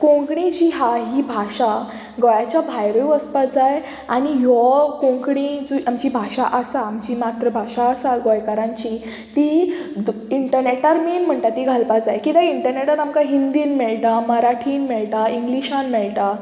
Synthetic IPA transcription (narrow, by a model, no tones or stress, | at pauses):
kõŋkɳid͡ʑiɦaɦibʱaɕa | ɡɔjat͡ɕjabʱajɾojuəspad͡zaj | aɽ̃ijɔkõŋkɳid͡zuamt͡ɕiːbʱaɕaʔəsaːmt͡ɕimat̪ɾəbʱaɕaːsaɡɔjkəɾãɲt͡ɕi | t̪id̪iɳʈəɾneʈaɾmiːnm̤əɳʈ̪at̪ːiɡʱalpad͡zajkit̪aiɳʈəɾneʈat̪amkaɦind̪iːnmɛɭʈ̪aməɾaʈʰiːnmɛɭʈ̪aiŋɡliɕãnmɛɭʈ̪a